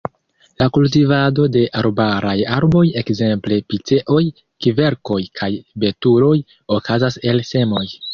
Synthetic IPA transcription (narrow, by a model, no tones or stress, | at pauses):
lakult̬ivado̞de̞ʔaɾobaɾajaɾbo̞je̞kze̞mple̞pit͡se̞ʔo̞j | kive̞ɾko̞jkʰajbe̞tuɾo̞j | o̞kazase̞lse̞mo̞j